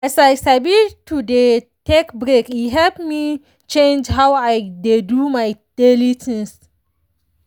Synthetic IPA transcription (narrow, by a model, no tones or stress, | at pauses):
ɛsajsabitʰudetɛkbɾekiɦɛpmi | t͡ʃẽnd͡ʒɦawajdedumajd̥elitʰɛ̃ns